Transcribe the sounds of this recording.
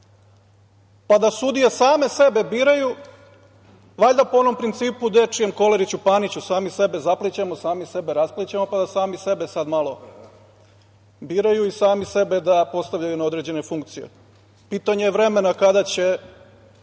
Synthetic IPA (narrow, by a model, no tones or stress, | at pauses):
pad̪asud̪ijesaːme̞se̞be̞biːɾaju | ʋaʎʲd̪apoo̞no̞mpɾint̪siːpud̪et͡ʃije̞mko̞le̞ɾit͡ɕupaːnit͡ɕusaːmise̞be̞zaplit͡ɕemosaːmise̞beɾasplˠit͡ɕemo̞pad̪asaːmise̞besad̪malˠo̞ | biːɾajuisaːmise̞be̞d̪apo̞st̪aʋʎʲajunao̞d̪ɾe̞d͡ʑe̞ne̞fuŋk̚t̪sijḛ | piːt̪aɲejeʋɾe̞me̞nakad̪at͡ɕe